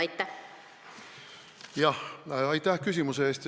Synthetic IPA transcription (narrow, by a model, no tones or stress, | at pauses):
ɑjt̪ːæ | jɑhɑjt̪ːˑæhkys̬ʲimuseeːst̪